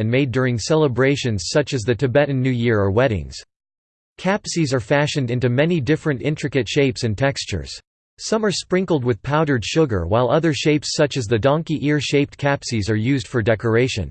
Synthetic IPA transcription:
ɨ̃nmeɪdʊɹɪ̃ŋsɛlˠəbɹeɪʃɨ̃nz̥sʌt͡ʃɨzðɨtʰɨbɛʔn̩nʉjɪɹə˞wɛɾɪ̰̃ŋz̥ | kʰæpsizə˞fæʃɨ̃ndɪ̃ntʉmɛnidɪfɹɨ̃ntɪ̃ntɹ̥ɨkɨtʃeɪpsɨ̃ntʰɛkst͡ʃə̰˞z̥ | sʌ̃mə˞spɹɪ̃ŋkl̩ˠd̚wɨð̥pʰaʊɾə˞d̥ʃʊɡə̰˞waɪlˠʌðə˞ʃeɪpsʌt͡ʃɨzðɨdɑ̃ŋkiʔɪɹʃeɪp̚t̚kʰæpsizə˞jʉzd̥fə˞dɛkə˞eɪʃɨ̰̃n

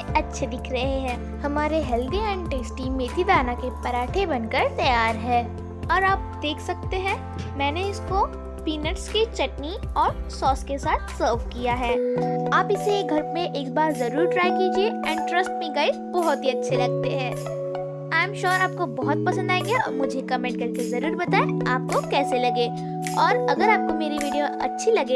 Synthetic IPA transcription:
ɐtːʃʰed̪ɪkʰɾɐɦeɦɛ̃ː | hɐmaːɾeɦɛːld̪iɛ̃ːɳɖʈeːsʈimẽt̪ʰid̪aːnakepɐɾaːʈʰebɐnkəɾt̪ɐjaːɾɦɛː | ɔːɾaːp̚d̪eːkʰsɐk̚t̪eɦɛ̃ː | mɛ̃ːneɪsko | piːnəʈsket͡ʃɐʈniɔːɾsɔːskesaːt̪ʰsəːɾʋkijaɦɛːaːpɪseɡʱɐɾmẽʔeːk̚baːɾzɐɾuːɾʈɾaːjkiːd͡ʒieɛ̃ːɖʈɾɐsʈ̚mẽɡɐe | bɔɦʊt̪iɐtːʃʰelɐɡ̚t̪eɦɛ̃ː | aːɪ̃mʃɔːɾaːp̚kobɔɦʊt̪̚pɐsə̃nd̪aːeɡeja̰mʊd͡ʒʱekɐmẽːɳʈ̚kɐɾkezɐɾuːɾbɐt̪aːeaːp̚kokɛːselɐɡeː | ɔːɾɐɡəɾaːp̚komeːɾiʋiːɖijoɐ̰tːʃʰilɐɡeː

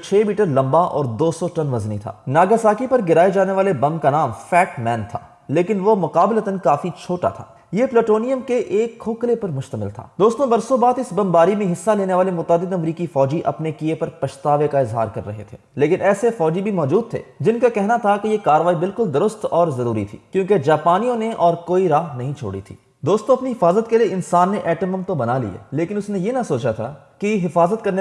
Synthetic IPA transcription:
t͡ʃʰeːmiːʈəɾlɐ̃mbaʔɔ̰ːɾd̪oːsɔʈɐnʋɐznit̪ʰa̰ːnaːɡəsaːkipɐɾɡɪɾaːed͡ʒaːneʋaːlebɐ̃mkanaːmfɛːʈmɛːnt̪ʰa̰ː | leːkɪnʋomʊqaːblət̪ənkaːfit͡ʃʰoːʈa̰t̪ʰa̰ː | jepleʈoːnijəmkeʔeːkʰːoːklepɐɾmʊʃt̪əmɪ̰lt̪ʰa̰ːd̪oːst̪õbɐɾsõbaːd̪ɪsbɐ̃mbaːɾimẽɦɪsːaleːneʋaːlemʊt̪aːd̪ːɪd̪ɐmɾiːkifɔːd͡ʒiʔɐ̰pnekiepɐɾpɐʃt̪aːʋekaɪzɦa̰ːɾkɐɾːɐ̰ɦḛt̪ʰeːleːkɪnɛːsefɔːd͡ʒibʱimɔːd͡ʒuːd̪̚t̪ʰḛːd͡ʒɪnkakɛɦnat̪ʰakejekaːɾəʋaːibɪlkʊld̪ʊɾʊst̪ɔːɾzɐɾuːɾḭt̪ʰḭːkjõːked͡ʒaːpaːnijõneʔɔːɾkoːiɾaːɦnɐɦĩt͡ʃʰo̰ːɽḭt̪ʰḭː | d̪oːst̪õɐpniɦɪfaːzət̪kelieɪnsaːnːeʔɛːʈəməmt̪obɐnalḭa̰ːleːkɪnʊsnejenɐsoːt͡ʃat̪ʰa̰ | kiɦɪfaːzət̪̚kɐɾne

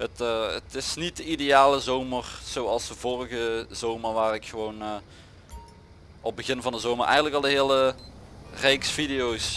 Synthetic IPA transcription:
ɦətːətɪsnit̚dəidejaːləzowmərz̥owɑlˠsdəvʊːrəɣəzowmərʋaːrɪkxəʋown | ɔb̚bəɣɪnvɑndəzowmərʔɛ̰jɣəntləkɑlˠdəɦɪːlə | rejksfidejows

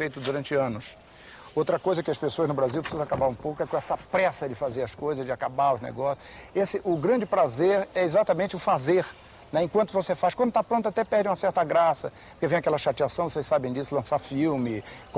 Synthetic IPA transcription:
fejt̪ʊd̪uɾɐ̃nt͡ʃɪɐ̃nʊs | owt̪ɾɐkojzɐkɪɐspesoɐznʊbɾaziwpɾɪ̥sizɐ̃akabaɾũpowkʊɛkõɛsɐpɾɛsɐd͡ʒɪfazeɾɐskojzɐzd͡ʒɪakabaɾʊznḛɡɔsjʊesɪʔʊɡɾɐ̃nd͡ʒɪpɾazeɾɛezat̪ɐmẽnt͡ʃɪʊfazeɾ | nɛẽkwɐ̃nt̪ʊvosefaskwɐ̃d̪ʊt̪apɾõnt̪ʊat̪ɛpɛɾd̪ẽj̃mɐsɛɾt̪ɐɡɾasɐ | po̥kevẽj̃akɛlɐʃat͡ʃiasɐ̃w̃vosejsabẽd͡ʒisʊlɐ̃saɾfiwmɪk

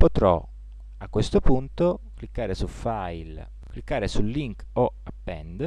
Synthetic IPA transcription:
pot̪ɾɔ̰ | akːwest̪opunt̪oklikːaːɾesufajl | kːlikːaːɾesulːiŋkoapːɛnd̪

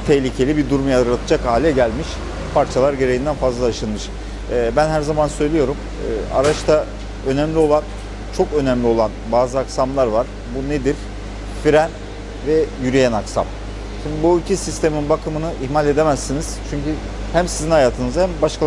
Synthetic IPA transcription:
t̪ʰehlʲicʰe̞lʲibid̪uɾumjaɾɯɾat̪ʰɯd͡ʒakhaːlʲɛɟælʲmiʃ | pʰaɾt͡ʃʰalˠaɾɟe̞ɾe̞jind̪ænfazlˠaaʃɯlˠmɯʃ | ɯːbænhæɾzamansø̞jlʲijo̞ɾum | ɯ̰ːa̰ɾat͡ʃt̪ʰa | ø̞næmlʲio̞lˠan | t͡ʃʰokø̞næmlʲio̞lˠanbaːzɯaksamlˠaɾvaɾ̥ | buned̪iɾ̥ | fiɾæn | vɛjyɾijænaksa̰m | ʃimd̪ibuilʲcʰisist̪ʰe̞minbakʰɯmɯnɯʔiçmalʲe̞d̪e̞mæsːiniz̥t͡ʃʰyɲcy | hæmsizinhajaːt̪ʰɯnɯzhæmbaʃkʰa

